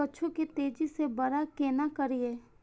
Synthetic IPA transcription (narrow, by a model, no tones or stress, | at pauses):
əːʃʰukit̪eːd͡ʒisebɐɾakeːnakɐɾieː